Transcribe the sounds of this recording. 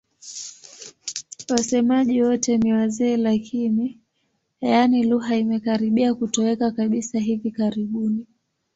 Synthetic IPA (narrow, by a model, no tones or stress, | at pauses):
wasɛmaʄiwɔtɛniwazɛːlakʰini | janiluɦaimɛkaɾiɓiakutɔwɛkakaɓisaɦivikaɾiɓuni